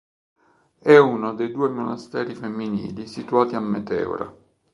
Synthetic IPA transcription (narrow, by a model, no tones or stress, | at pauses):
ɛunod̪ejd̪uːɛmonast̪ɛːɾifemːinḭːlisit̪uaːt̪iamːɛt̪ɛ̰ːṵɾa̰